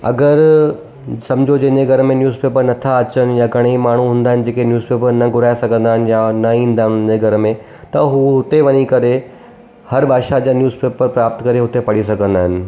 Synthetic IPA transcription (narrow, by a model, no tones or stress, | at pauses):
ɐ̰ɡəɾ | sɐ̃md͡ʑʱod͡ʑɐ̃ɪ̃ɲd͡ʑeɡʱɐɾmẽnjuːzpeːpəɾnɐt̪ʰaɐt͡ɕəñɪ̆jãɡʱɐɽ̃emaːɳ̤uɦũːnd̪aːɦɪ̃n̆d͡ʑeːkenjuːzpeːpəɾnɐɡʱʊɾaːesɐɡʱə̃nd̪aːɦɪnɪjanɐĩːnd̪aːɦɪnd͡ʑeɡʱɐɾmẽ | t̪ɐɦuɦʊt̪eʋɐɲikɐɾe | hɐɾbʱaːʃad͡ʑaːnjuːzpeːpəɾpɾaːpt̪kɐɾeɦʊt̪epɐɽisɐɡʱə̃nd̪aːɦɪnɪ̆